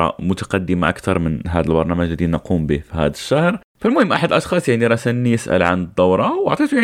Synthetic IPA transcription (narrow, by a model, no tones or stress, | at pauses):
ɑ̰mʊt̪ḁqɑd̪ːəmaʔa̰kt̪ɑɾˤmənɦæd̪əlbɑɾˤnæməʒd̪inɑqumbifihæ̰d̪əʃːahɾ | falmʊhəmːʔaħad̪əlʔɑʃxɑːsˤjaʕniɾˤɑsanːijəsʔə̰lʕa̰nəd̪ˤːɑwɾˤɑwɑʕt̪ˤit̪jaʕ